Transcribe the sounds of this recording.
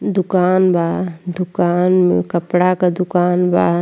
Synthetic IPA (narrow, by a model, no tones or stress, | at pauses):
d̪ʊkaːnbaːd̪ʊkaːnmḛ̃kəpɽakad̪ʊkaːnbaː